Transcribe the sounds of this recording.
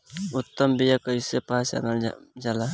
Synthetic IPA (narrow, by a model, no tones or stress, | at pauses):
ʊt̪ːəmbijakəisepasa̰nald͡ʒala